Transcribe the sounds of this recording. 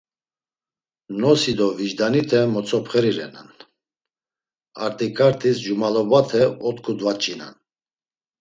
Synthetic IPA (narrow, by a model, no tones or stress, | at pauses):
nɔsid̪ɔviʒd̪anit̪ʰɛmɔt͡sʰɔpʰχɛɾiɾɛ̰na̰n | a̰ɾt̪ʼikʰʼaɾt̪ʰʼisd͡ʒumalɔbat̪ʰɛɔt̪ʰkʰud̪vat͡ʃʼina̰n